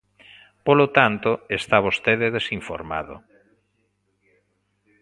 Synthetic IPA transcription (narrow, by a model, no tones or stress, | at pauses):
polot̪ant̪oest̪aβ̞ost̪eðeðesiɱfo̰ɾma̰ðo̰